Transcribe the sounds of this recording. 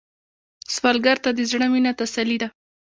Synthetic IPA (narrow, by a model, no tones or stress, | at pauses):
swɑlɡaɾt̪ad̪əzɽəminat̪asalid̪a